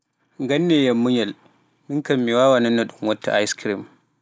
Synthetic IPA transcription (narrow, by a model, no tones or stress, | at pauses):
ŋɡanːɛjamːuɲal | miŋkamːiwaːwananːɔɗumwatːa̰ʔa̰jskɾim